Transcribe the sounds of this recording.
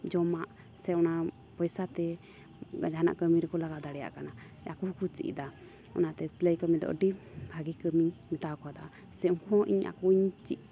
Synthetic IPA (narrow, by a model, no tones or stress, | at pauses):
d͡ʒɔmaʔ | sɛɔna | pɔjsat̪ɛ | ɡa̰d͡ʒaana̰ʔkəmiɾɛkɔlaɡad̪aɽɛja̰ʔkana | a̰kukut͡ʃḭʔd̪a | ɔ̰nat̪ɛsiləjkəmid̪ɔ̰ʔɖihaɡikəmimit̪akɔd̪a | sɛuhɔʔiɲa̰kuɲt͡ʃiʔ̚